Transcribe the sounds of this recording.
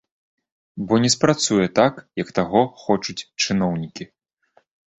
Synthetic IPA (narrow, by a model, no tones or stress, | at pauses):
bɔnʲɛspɾat̪sujɛt̪akjɐkt̪aɣɔxɔt͡ʂut͡sʲt͡ʂɨnɔwnʲikʲi